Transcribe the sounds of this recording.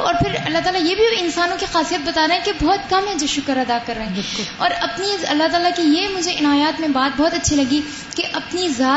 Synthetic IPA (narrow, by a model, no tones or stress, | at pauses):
ɔ̰ːɾpʰɪɾɐ̰lːaɦt̪aːlajebʱiɪnsaːnõkixaːsijət̪̚bɐt̪aːɾɐɦɛ̃kebɔːt̪kɐmɛ̃d͡ʒoʃʊkəɾɐd̪akɐɾːɐɦɛ̃ːɪkʊlɔ̰ːɾɐpniɐ̰lːat̪aːlakijemʊd͡ʒʱeʔɪnaːjaːt̪mẽbaːt̪̚bɔɦːt̪ɐtːʃʰilɐɡi | keʔɐpnizaː